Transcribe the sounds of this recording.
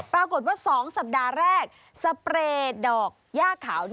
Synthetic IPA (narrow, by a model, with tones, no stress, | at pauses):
pɾaː˧ko˨˩t̪̚waː˥˩sɔː˩˦ŋsa˨˩p̚daː˧ɾɛː˥˩k̚ | sa˧pɾeː˧dɔː˨˩k̚jaː˥˩kʰːaː˩˦w